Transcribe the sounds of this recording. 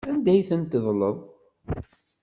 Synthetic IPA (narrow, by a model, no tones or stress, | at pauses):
ænd̪æjθənt̪əðˤləðˤ